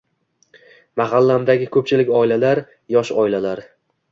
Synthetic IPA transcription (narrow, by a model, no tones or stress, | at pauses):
maɦalːamd̪aɡʲɪkʰɵp̚t͡ʃʰɪlɪkʲɒɪlalaɾ | jɒʃɒɪlalaɾ